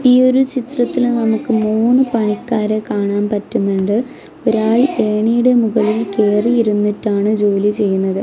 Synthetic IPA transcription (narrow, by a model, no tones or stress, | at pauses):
iːo̞ɾut͡ɕit̪rɐt̪ːilnɐmukːɨmuːnːɨpɐɳikːaːɾekaːɳaːmpɐtːunːuɳɖɨ | oɾaːɭʔe̞ːɳijuɽe̞muɣɐɭelke̞ːriiɾunːiʈːaːɳɨd͡ʑo̞ːlit͡ɕe̞jːunːɐðɨ